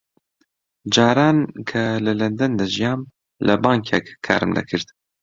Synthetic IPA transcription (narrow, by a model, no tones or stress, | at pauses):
d͡ʒaːɾaːnkʰɐlɐlɐnd̪ɐnd̪ɐʒijɑːm | lʔɐbɑːŋkʰɛkkʰːa̰ːɾɨmnɐ̰kʰɨɾd̪